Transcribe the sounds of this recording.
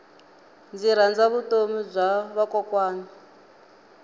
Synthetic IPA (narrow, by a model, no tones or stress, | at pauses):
nd͡ziɾ̤and͡zaβutomizʷaβakɔkwaːŋi